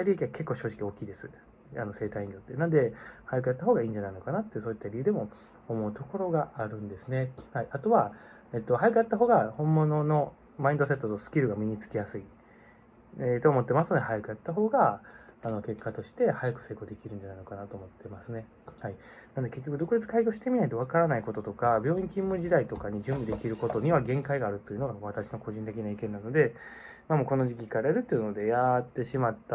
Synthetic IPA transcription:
aɾʲiekʲiɡake̞kːoːɕo̞ːʑikʲio̞ːkʲiːd̪e̞sɨ | a̰no̞se̞ːt̪aĩŋɡʲo̞t̪ːe̞nãnd̪e̞hajakɯ̟jat̪ːaɦo̞ːɡaĩːɲ̟d͡ʑanaino̞kanat̪ːes̬o̞ːit̪ːaɾʲiɯ̟d̪e̞mo̞ː | mo̞ɯ̟t̪o̞ko̞ɾo̞ɡaʔaɾɯ̟̃nd̪e̞sɨne̞haiʔat̪o̞βa | et̪ːo̞hajakɯ̟jat̪ːaɦo̞ːɡahõ̞mːo̞no̞no̞ | maĩnd̪o̞s̬e̞t̪ːot̪osɨ̥kʲiɾɯɡamʲiɲ̟it͡sɨ̥kʲijasɨi | et̪o̞ːmo̞t̪ːe̞masɨno̞d̪e̞hajakɯ̟jat̪ːaɦo̞ːɡaːno̞ke̞kːat̪o̞ɕi̥t̪e̞hajakɯ̟̥se̞ːko̞ːd̪e̞kʲiɾɯ̟n̟d͡ʑanaino̞kanat̪o̞ːmo̞t̪ːe̞masɨne̞ | hainand̪eke̞kʲːokɯd̪o̞kɯ̟ɾet͡sɨ̥kaiɡʲo̞ːɕi̥t̪e̞mʲinait̪o̞β̞akaɾanaiko̞t̪o̞t̪o̞kabʲjo̞ːĩŋkʲĩmːɯ̟d͡ʑid̪ait̪o̞kaɲ̟id͡ʑɨ̃mbid̪e̞kʲiɾɯ̟ko̞t̪o̞ɲ̟iβaɡẽ̞ŋkaiɡaːɾɯ̟t̪ːo̞iɯ̟no̞ɡaβat̪aɕi̥no̞ko̞ʑĩnt̪ekʲinaikẽ̞nːano̞d̪e̞ | maːmoːko̞no̞ʑikʲikaɾeɾɯ̟t̪ːojɯ̟nod̪e̞jat̪ːe̞ɕimat̪ːa

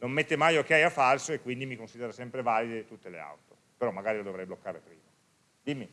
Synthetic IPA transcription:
nomːet̪ːemajok̟eajafalsoekːwind̪imikonsid̪eɾasɛmpɾevaːlid̪et̪ut̪ːelḛa̰wt̪o̥ | peɾɔmːaɡaːɾilod̪ovɾɛjblokːaːɾepɾiːma | d̪imːi

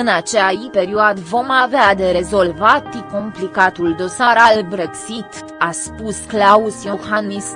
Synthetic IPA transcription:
ɨnat͡ʃeaipe̞ɾioad̪əvo̞mavead̪e̞ɾe̞zo̞lvat̪iko̞mplikat̪uld̪o̞saɾalbɾeksit̪ | aspusklausjoxanis

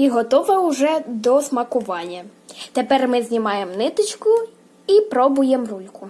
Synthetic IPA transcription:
iɦɔt̪ɔʋɐʊʒɛd̪ɔsmɐkʊʋɑnʲːɐ | t̪epɛrmɪzʲnʲimɑjemnɪt̪ɪt͡ʃkʊ | ipɾɔbʊjɛmrulʲkʊ

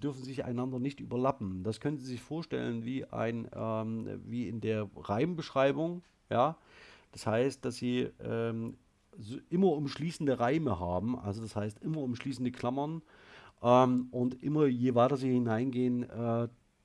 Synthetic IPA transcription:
d̥ʏɐfn̩zɪça̰ɪnandɐnɪçtʔy̰ːbɐlapm̩d̥askʰœnən̩ziːzɪçfoːɐʃtɛ̰lənviːʔa̰ɪnʔɛːmviːɪndeːɐʁaɪmbəʃʁ̥aɪbʊŋ | jaːd̥ashaɪst̚d̥asz̥iːʔɛːm | zʔɪmɐʊmʃliːsn̩dəʁaɪməɦaːbm̩ʔa̰lzodashaɪstʔɪmɐʊmʃliːsn̩dəkʰl̥amɐn | ʔɛːmʔʊntʔɪmɐjeːvaɪtɐziːhɪnaɪnɡeːənʔɛː

